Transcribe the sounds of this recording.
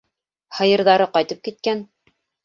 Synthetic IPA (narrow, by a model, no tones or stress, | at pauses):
hɤ̆jɤ̆ɾðɑɾɤqɑjt̪ɤp̚kit̪̚kæn